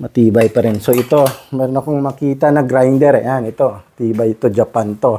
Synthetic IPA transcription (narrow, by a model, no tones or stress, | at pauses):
mɐt̪iːbajpɐɾɪnsoɪt̪omɛɾonɐkoŋmɐkiːt̪anɐɡɾajnd̪ɛɾɛ̰janɪt̪ot̪iːbajɪt̪od͡ʒɐpant̪o